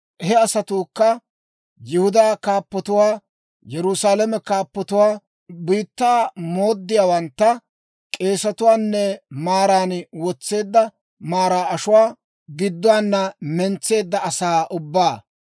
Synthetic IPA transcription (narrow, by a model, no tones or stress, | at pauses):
ɦɛɐsɐt̪uːkːɐ | jɪhʊd̪aːkaːpːɔt̪ʊwaː | jɛɾʊsaːlɐmɛkaːpːɔt̪ʊwaː | biːt̪ːaːmo̞ːd̪ːɪjaːwɐnt̪ːɐ | kʼe̞ːsɐt̪ʊwaːnːɛmaːɾaːnwɔt͡sːe̞ːd̪ːɐ | maːɾaːɐʃʊwaː | ɡɪd̪ːʊwaːnːɐmɛnt͡sːe̞ːd̪ːɐɐsaːʔʊbːaː